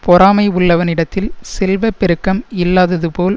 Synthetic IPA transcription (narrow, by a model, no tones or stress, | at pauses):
pɔɾaːmɐɪʊɭːɐʋɐnɪɽɐt̪ːɪlsɛlʋɐpːɛɾɯkːɐmɪlːaːðɐðɯpoːl